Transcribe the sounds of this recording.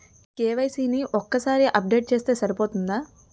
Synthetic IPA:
keːʋɐjsiːniʔɔkːɐsaːɾiʔɐp̚ɖe̞ːʈ̚t͡ʃe̞ːst̪e̞ːsɐɾipo̞ːt̪und̪aː

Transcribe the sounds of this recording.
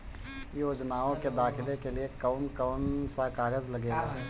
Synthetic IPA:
joːd͡ʒnaːõked̪aːxʰɪlekeliekaʊnkaʊnsakaːɡəd͡ʒlɐɡeːɡaː

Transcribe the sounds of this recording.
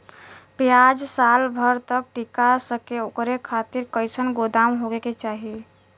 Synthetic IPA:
pjad͡ʒsalbʱəɾt̪ək̚ʈikasəkeokɾekʰat̪iɾkəjsʰənɡod̪amɦoɡeket͡ʃaɦi

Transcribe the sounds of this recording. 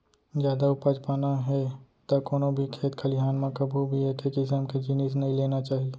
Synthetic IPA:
d͡ʒjaːd̪aʊpaːd͡ʒpaːnaɦɛt̪akoːnõbʱikʰeːt̪kʰɐlɪɦaːnmãkɐbʱubʱieːkekɪsəmked͡ʒɪniːs̬nɐɦĩleːnat͡ʃaːɦie

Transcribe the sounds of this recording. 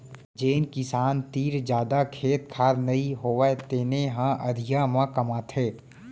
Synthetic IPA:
d͡ʒeːnkɪsaːnt̪iːɾd͡ʒjaːd̪akʰeːt̪̚kʰaːɾnɐiɦoːʋat̪eːneɦãʔɐd̪ʱɪjamãkəmaːt̪ʰeː

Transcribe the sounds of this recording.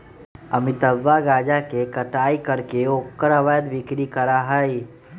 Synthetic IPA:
əmit̪əbːaɡaːd͡ʒakekəʈaːikəɾkeoːkːəɾəʋəjd̪ʋɪkɾikəɾaɦəj

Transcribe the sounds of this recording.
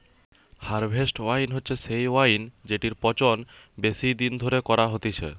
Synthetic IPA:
haɾbʱesʈwajnɦotːɕʰeʃejwajnd͡ʑeʈiɾpɔt͡ɕon | besid̪ind̪ʱoɾekɔɾaɦot̪it͡ɕʰḛ

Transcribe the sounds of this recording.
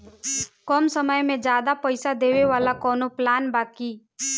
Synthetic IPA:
kɔːmsəməjmẽd͡ʒjaːd̪apəɪsad̪eːʋeʋaːlakɔːnoplaːnbaːki

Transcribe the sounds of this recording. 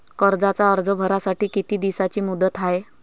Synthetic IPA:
kəɾd͡zat͡saəɾd͡zəbʱəɾasaʈiːkit̪iːd̪isat͡ɕiːmud̪ət̪ae

